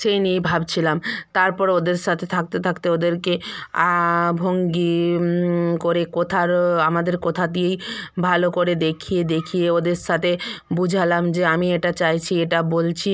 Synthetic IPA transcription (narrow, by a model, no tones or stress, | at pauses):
ʃejniejbʱabt͡ɕʰilamt̪aɾpɔɾod̪eɾʃat̪ʰet̪ʰak̚t̪et̪ʰakt̪eod̪eɾkeabʱoŋɡi | koɾekot̪ʰaɾamad̪eɾkot̪ʰad̪iejbʱalokoɾed̪ekʰied̪ekʰieod̪eɾʃat̪ʰebud͡ʑʱalamd͡ʑeamieʈat͡ɕajt͡ɕʰieʈabolt͡ɕʰi